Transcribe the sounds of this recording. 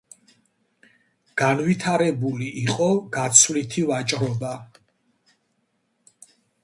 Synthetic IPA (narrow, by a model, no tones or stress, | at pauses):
ɡ̥anvit̪ʰaɾɛbuliʔiqʼɔɡat̪sʰvlit̪ʰivat͡ʃʼɾɔba